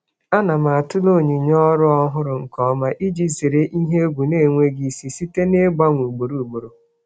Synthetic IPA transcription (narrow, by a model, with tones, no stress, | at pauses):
a˦na˨ma˨a˨tʊ˦lo˦˨ɲi˨ɲɔ˦ɾʊ˦ɔ˦ɦʊ˦ɾʊ˨ŋ̩˨kɔ˦ma˦ʔi˦d͡ʒi˦ze˨ɾe˦ʔi˦ɦe˦ɡʷu˨ne˦˨ŋʷe˦ɡi˦˨si˨si˦te˦ne˦ɡ͡ba˦ŋʷu˨ɡ͡bo˨ɾu˨ɡ͡bo˨ɾo˨